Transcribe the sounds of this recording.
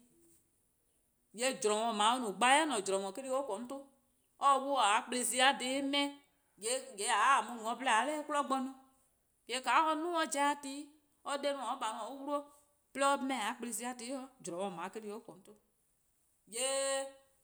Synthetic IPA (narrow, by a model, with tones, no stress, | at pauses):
je˦d͡ʒɾɔ̃˨wɔ̃˨mã˨˦o˦nũ˨ɡ͡ba˨˦ɛ˦nɔ̃˨d͡ʒɾɔ̃˨ŋɔ̃˨ke˦ɾi˦o˦kɔ˨˦m̩˦to˦ | ɔ˦wo˦˨a˨˦k͡ple˧s̬i˧˦a˨de˨˦mɛ̃˦ | je˨˦˨ɡe˨˦a˨˦˨mũ˦ŋɔ̃˨˦plɛ˦a˨˦lɛ˦ku˦lɔ˦ɡ͡bɔ˦nũ˦ | je˨˦˨ka˨˦ɔ˦nũ˦ɔ˦d͡ʒa˦a˨ti˦ | ɔ˦de˦mɔ̃˨ɔ˦ɓa˨ŋɔ̃˨o˦wu˦ɾo˦ | plɛ˦ɔ˦mɛ̃˨a˨˦k͡ple˧˨si˧˦a˨˦ti˦ɔ˦d͡ʒɾɔ̃˨wɔ̃˨mã˨˦ke˦ɾi˦o˦kɔ˨m̩˦to˦ | je˦